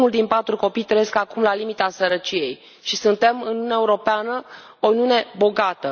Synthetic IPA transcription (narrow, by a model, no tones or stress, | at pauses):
nuld̪inpat̪ɾuko̞pijt̪ɾejeskakumlalimit̪asəɾət͡ʃije̞j | ʃisunt̪e̞mɨnunjaeuɾo̞peanə | oniune̞bo̞ɡat̪ə